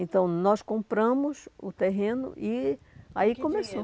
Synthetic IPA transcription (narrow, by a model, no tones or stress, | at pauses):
ẽnt̪ɐ̃w̃nɔskõmpɾɐ̃mʊzʊt̪eɦẽnʊ̰ʔi | aikõmeso